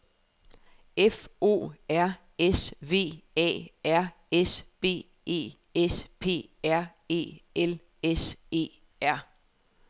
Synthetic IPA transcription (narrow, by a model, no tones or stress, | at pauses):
efo̝̰ːæɐ̰ | esʋe̝̰ːɛ̰ːæɐ̰ | esb̥e̝̰ː | e̝̰ː | espʰe̝̰ːæɐ̰ | e̝̰ːel | ese̝̰ː | æɐ̰